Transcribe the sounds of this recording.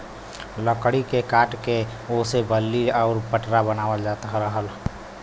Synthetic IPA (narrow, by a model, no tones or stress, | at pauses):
ləkɽikekaːʈkeosebəlːiɔːɾpəʈɾabənaːwəld͡ʒat̪əɦɾəɦəl